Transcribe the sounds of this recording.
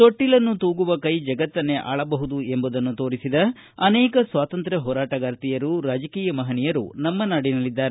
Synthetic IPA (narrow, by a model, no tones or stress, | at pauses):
t̪oʈːilɐnːut̪uːɡuʋɐkɐjd͡ʒɐɡɐt̪ːɐnːe̞ʔa̰ːɭɐbɐɦud̪ue̞mbud̪ɐnːut̪o̞ːɾisid̪ɐ | ɐnɛːkɐsʋaːt̪ɐnt̪ɾɐɦɔːɾaːʈɐɡaːɾt̪ijɐɾuɾaːd͡ʒɐkiːjɐmɐɦɐnijɐɾṵnɐmːɐnaːɽinɐlid̪ːaːɾe